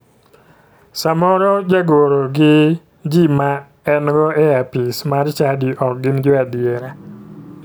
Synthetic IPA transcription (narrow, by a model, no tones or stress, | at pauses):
samɔɾɔd͡ʒaɡoɾoɡɪ | d͡ʒima | ɛnɡɔɛapismaɾt͡ʃadiʔɔk̚ɡɪnd͡ʒɔadɪeɾa